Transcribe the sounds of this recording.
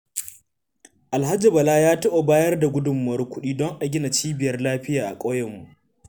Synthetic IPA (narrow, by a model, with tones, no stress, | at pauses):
ʔa˨lɦa˦d͡ʒi˨bɐ˨laː˦jaː˦tɐ˦ʔo˨baː˦jɐ˦rda˨ɡʷʊ˦dʊ˨mːɐ˨ɾʊ˦kʷʊ˦ɗiː˦dɔ˦ŋʔa˨ɡʲɪ˦na˨t͡ʃiː˦bɪ˨jɐ˦rlaː˦ɸɪ˦jaː˨ʔa̰˨kʷʼoː˦jɛ˨mːu˨ʔ